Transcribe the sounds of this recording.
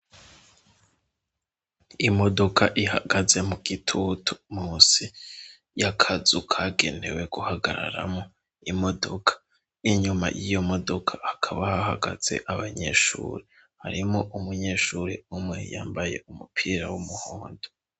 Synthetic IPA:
imo̞do̞kʰaʔihaɡaze̞muɡitʰutʰu̥muːsi | jakʰazukʰaːɡe̞ne̞̰we̞ɡuhaɡaɾa̰ɾa̰mo | imo̞do̞kʰḁ | iɲuma̰jijo̞mo̞do̞kʰaʔːkʰaβahahaɡaz̥e̞̰ʔaβaɲe̞̰ʃṵːɾi | haɾimo̞ʔumuɲe̞ːʃuɾiumŋe̞jaːmbaje̞̰umupʰiːɾawumuhoːndo

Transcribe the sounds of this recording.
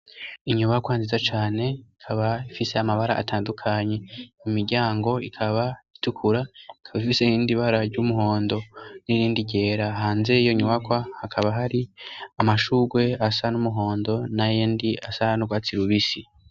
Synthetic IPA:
iɲuβakwanzizat͡ʃaːne̞ikʰaβaifise̞amaβaɾa̰ʔa̰tʰaːndukʰaɲe̞imiɾɟaːŋɡo̞ikʰaβaitukʰuɾaikʰaβifisehiːndiβaɾaɾɟumuɦo̞ːndo̞niɾiːndiɟe̞ːɾaɦaːnze̞ijo̞iɲuβakwahakʰaβaɦaɾiamaʃuɡwe̞asanumuɦo̞ːndo̞najeːndiasanuɡwaːt͡siɾuβisi

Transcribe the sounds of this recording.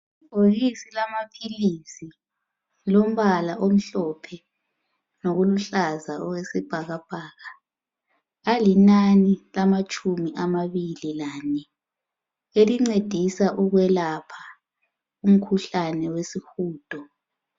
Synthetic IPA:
poɣisilamapʰilisi | lom̩βalaʔom̩ɬɔpʰɛ | noɣuluɬazaɔwesib̥ʱaɣab̥ʱaːɣa | alinanilamat͡ʃʼumiʔamaβililaːnɛ | eliŋ͡ǀed̥ʱisaʔuɣwɛlapʰḁ | um̩kʰuɬanɛwesixuːd̥ʱɔ

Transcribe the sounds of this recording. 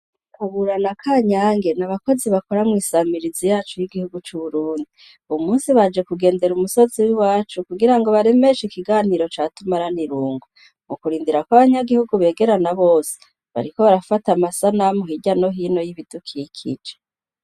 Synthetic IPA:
aβuɾanakʰaːɲaːŋɡe̞naβako̞ziβako̞ɾamŋiːsamiɾizijaːt͡ʃujiɡihuɡut͡ʃuβuɾuːndi | umuːnsiβad͡ʒe̞kuɡe̞ːnde̞ɾumuso̞ziwiwaːt͡ʃukuɡiɾaŋɡo̞βaɾe̞me̞ʃikiɡaːniɾo̞t͡ʃaːtumaɾaniɾuːŋɡwu | mukuɾiːndiɾakwaβaɲaɡihuɡuβe̞ːɡe̞ɾanaβo̞ːse̥ | βa̰ɾiko̞βaɾafatamasanamuhiɟano̞ɦiːno̞jiβid̥ukʰikʰḭd͡ʒe

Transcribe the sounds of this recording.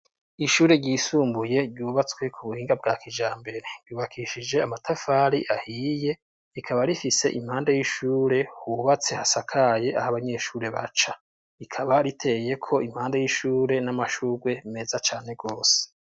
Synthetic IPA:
iʃuːɾe̞ɟiːsuːmbuje̞ɟuːβat͡swe̞kʰuβuhiːŋɡab̚ɡaːkid͡ʒaːmbe̞ɾe̞ɾ̥juːβakʰiʃid͡ʒe̞amatafaːɾiʔahiːje̞ | ikʰaβaɾifise̞ʔim̥haːndajiʃuːɾe̞huβat͡se̞hasakʰaje̞ʔahaβaɲe̞ʃuːɾe̞βa̰t͡ʃa | ikʰaβaɾitʰe̞je̞kʰo̞imhaːndajiʃuːɾe̞namaʃuɾwe̞ime̞zat͡ʃaːne̞ɡo̞ːse̥

